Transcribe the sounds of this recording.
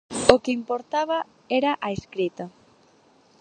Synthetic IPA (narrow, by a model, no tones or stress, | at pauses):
okɪimpoɾt̪aβɐ | eɾaʔaeskɾit̪ɐ